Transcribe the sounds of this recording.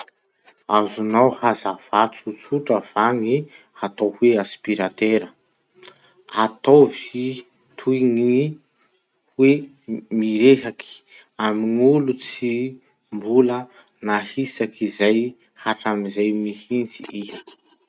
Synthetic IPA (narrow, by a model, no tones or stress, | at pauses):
azunawhazav̥at͡sut͡suʈ͡ʂəv̥aŋi | at̪oweaspiɾat̪eɾə | at̪ovi | t̪ʰujŋi | we | miɾeɦaki̥ | aminulut͡si | mbulə | nahisakizaj | haʈ͡ʂamizajmihint͡siij